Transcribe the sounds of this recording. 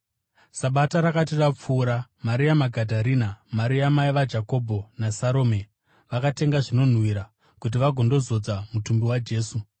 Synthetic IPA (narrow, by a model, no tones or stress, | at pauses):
saɓataɾakatirap͡fuːɾamaɾiamaɡʱadʱaɾinamaɾiamaiʋad͡ʒako̞bʱo̞nasaɾo̞ːme̞ | ʋakate̞ŋɡaʐino̞n̤wiɾa | kut̬iʋaɡʱo̞ndo̞zo̞d͡zamutumbiwad͡ʒe̞ːsu